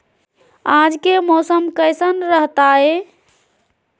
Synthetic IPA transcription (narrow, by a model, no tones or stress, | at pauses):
ãd͡ʒkemɔsəmkəɪsənɾəɦt̪ae